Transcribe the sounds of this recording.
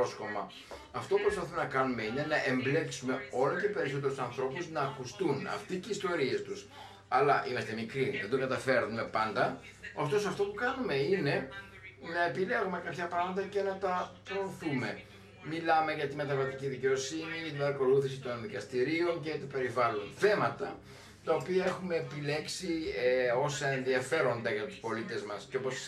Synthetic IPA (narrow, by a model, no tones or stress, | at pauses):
osko̞mɐ̰ | ɐft̪o̞pupɾospɐθumenɐkɐnume̞ine̞nɐʔe̞mble̞ksume̞o̞loce̞pe̞ɾiso̞t̪eɾusɐnθɾo̞puznɐːkust̪unɐ̰ft̪iceist̪o̞ɾie̞st̪us | ɐlɐʔimɐst̪e̞mikɾiðed̪oɡɐt̪ɐfe̞ɾnume̞pɐnd̪ɐ | oft̪o̞sɐft̪o̞pukɐnume̞ine̞ | nɐepile̞ɣume̞kɐpçɐpɾɐmɐt̪ɐce̞nɐt̪ɐpɾoːθume̞ | milɐme̞ʝɐt̪ime̞t̪ɐvɐt̪iciðice̞o̞siniʝɐt̪ibɐɾɐko̞luθisit̪o̞nðikɐst̪iɾio̞ncet̪ope̞ɾivɐlo̞nθe̞mɐt̪ɐ | t̪ɐopiɐe̞xume̞ːpile̞ksio̞sɐe̞nðiɐfe̞ɾo̞nd̪ɐʝɐt̪u̥spo̞lit̪e̞zmɐsceo̞po̞s